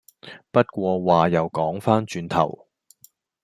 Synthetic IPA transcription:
pɐ˥t̚kʷɔː˧waː˨˩jɐ˨˩wkɔː˨˥ŋfaː˥nt͡ʃyː˧nt̪ʰɐ̰˨˩w

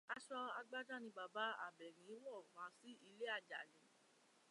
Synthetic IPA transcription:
a˧ʃɔ˧a˧ɡ͡ba˦d͡ʒa˦nĩ˧ba˨ba˨˦a̰˦˨bɛ˨ɾ̃ĩ˨˦wɔ˦˨mã˨˦si˦ʔi˧le˦a˦˨d͡ʒa̰˨lĩ˨˦

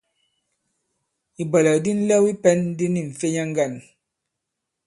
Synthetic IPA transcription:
i˨ba˨lɛ˨di˦n̩˦lɛ˦wi˦pɛ˦n˦di˦ni˦˨ɱ̩˨fe˦ɲa˦ŋ˦ɡa˦˨n

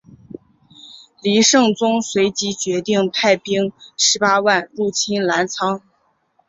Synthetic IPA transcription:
li˧˥ʂɤ˥˩ŋt͡sʊ˥ŋswe˧˥ɪt͡ɕi˧˥t͡ɕɥɛ˧˥t̪i˥˩ŋpʰa˥˩ɪpi˥ŋʂɻ̩˧˥pa˥wa˥˧nɻu˥˩t͡ɕʰi˥nla˧˥nt͡sʰɑ˥ŋ

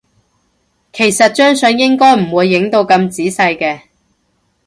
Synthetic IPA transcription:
kʰe˨˩jsɐ˨t̚t͡ʃœː˥ŋsɵ˨˧njɪ˥ŋkɔː˥jm̩˨˩wuː˨˧jːɪ˨˥ŋt̪o˧wkɐ˧mt͡siː˨˥sɐ˧jkɛː˧

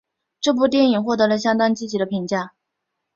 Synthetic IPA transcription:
ʈ͡ʂɤ˥˧p̬u˥˧t̪jɛ˥˩ni˨˩ŋxwɔ˥˩t̪ɤ˧˥lə˧ɕ̬jɑ˥ŋt̪wa˥nt͡ɕi˥˩t͡ɕi˨˩d̪ə˧pʰi˧˥ŋt͡ɕja˥˩

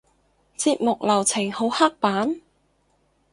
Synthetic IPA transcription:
t͡siː˧t̚mʊ˨k̚lɐ˨˩wt͡sʰɪ˨˩ŋho˨˥wha˥k̚paː˨˥n

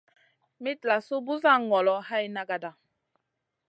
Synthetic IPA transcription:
mi˦tla˨su˦bu˦za˦˨ŋɔ˨lɔ˦ha˦i˦na˦ɡa˨da˨

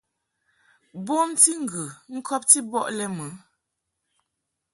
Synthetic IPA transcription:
bɔ˦mti˦ŋ̩˨ɡʉ˨ŋ̩˦kʰɔ˦p̚ti˦bɔ˦ʔlɛ˦mə˨˦

